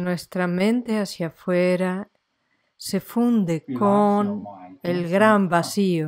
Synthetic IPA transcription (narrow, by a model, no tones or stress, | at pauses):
nwest̪ɾamẽnt̪easjafweɾa | sefund̪ekonelɣɾambasio